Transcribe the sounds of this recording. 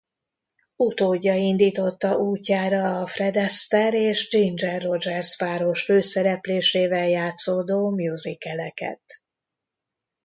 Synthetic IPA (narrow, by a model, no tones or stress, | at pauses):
ut̪oːɟːɒind̪iːt̪o̞t̪ːɒʔuːcːaːɾɒːfrɛd̪ɛst̪ɛɾeːʒd͡ʒind͡ʒɛrːo̞d͡ʒɛrzpaːɾo̞ʃføːsɛɾɛpleːʃeːvɛljaːt̪soːd̪oːmjuzikɛlɛkɛ̰t̪